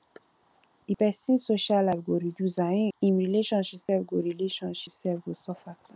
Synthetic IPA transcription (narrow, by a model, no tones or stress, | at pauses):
ipɛsĩnsoʃalalɡoɾiduzãĩnɹileʃɔ̃nʃipsɛlɡoɹileʃɔ̃nʃipsɛvɡosɔfat